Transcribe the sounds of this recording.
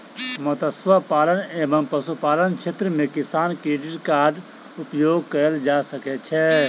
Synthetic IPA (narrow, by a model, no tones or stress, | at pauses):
mət̪əsʋapaːləneːbəmpəsupaːlənkt͡ʃʰeːt̪ɾəmẽkɪsaːnkɾiʈiʈkaːɾɖ | upjoːɡ̚kəɾəld͡ʒasəkɛt͡ʃʰɛ